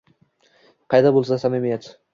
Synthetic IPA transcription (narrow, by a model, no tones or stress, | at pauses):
qʰɑjd̪abolˠsaasamemijat̪